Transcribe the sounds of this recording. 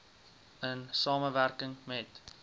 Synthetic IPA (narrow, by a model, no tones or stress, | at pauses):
ənsɑːməværkəŋmɛt